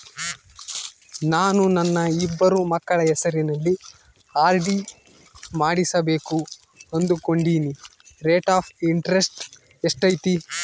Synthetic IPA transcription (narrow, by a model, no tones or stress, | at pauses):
naːnunɐnːɐibːɐɾumɐkːɐɭɐɛsɐɾinɐlːi | aːɾɖi | maːɽisɐbe̞ːku | ɐnd̪uko̞ɳɖiːniɾeːʈaːpʰiɳʈɐɾesʈ | eʂʈɐjt̪i